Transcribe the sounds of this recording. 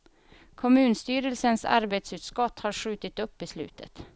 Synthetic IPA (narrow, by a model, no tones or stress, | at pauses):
kʰʊmʉ̟ːnst̪yːɾəlsənsa̰ɾbet̪sʉːt̪skɔt̪ːhɑɾɧʉ̟ːt̪ɪt̪ɵpːɪslʉ̰ːt̪ʰə̰t̪